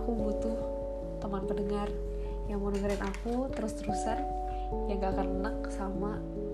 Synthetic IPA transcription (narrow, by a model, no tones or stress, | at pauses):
kubut̪ʊh | t̪amanpədəŋar | jaŋmonəɡəɾɛnʔakut̪əɾʊst̪əɾusar | jaŋɡakanənak̚sama